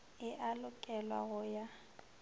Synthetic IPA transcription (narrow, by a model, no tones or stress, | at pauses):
ɪʔalʊkʼɛlwa̰ɣʊja